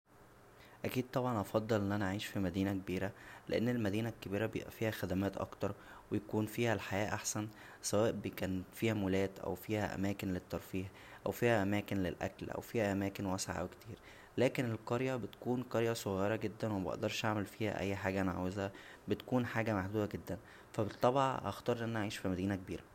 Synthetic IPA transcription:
ʔækiːd̪̚t̪ˤɑbʕɑnʔɑfɑd̪ˤːlʔenːʔænæʕiːʃfimæd̪iːnækebiːɾæleʔenːelmæd̪iːnækːebiːɾæbejḛʔæfiːhæxæd̪æmæːt̪ʔɑ̰kt̪ɑɾˤ | wejækuːnfiːhælħajæːʔaħsæn | sæwæːʔbekæːnfiːhæmʊlæːt̪ʔæ̰wfiːhæʔæ̰mæːkenlet̪ːɑɾˤfiːħ | ʔæ̰wfiːhæʔæmæːkenlḛlʔæ̰klʔæ̰wfiːhæʔæmæːkenwæsʕa̰ʔwekt̪iːɾ | læːkenelqɑɾjæbet̪kuːnqɑɾjæsˤoɣjeɾˤɑɡed̪ːænwebeʔḛʔd̪ɑɾˤʃʔaʕmelfiːhæ̰ʔæ̰jːħaːɡænʕa̰wezhæ | bet̪kuːnħaːɡæmaħd̪uːbæɡed̪ːæn | fæbet̪ˤːɑbɑʕʔɑ̰xt̪ˤɑːɾˤlʔenːʔaʕiːʃfimæd̪iːnækebiːɾæ

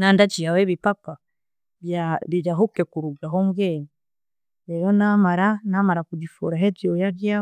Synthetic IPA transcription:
nandat͡ʃiaweːβipaka | βjaβiɟaɦukekuɾuɡaɦomɡeːɲi | ɾeɾonamaɾanamaɾakuɟifṵɾaɦezjojaβjaː

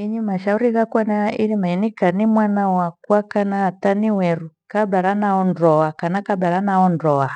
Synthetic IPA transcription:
iɲimaʃauɾiɣakanailimaɛnikanimwanawakwakanaːtaniwɛɾukabaɾanaɔndɔakanakabaɾanaɔndɔa

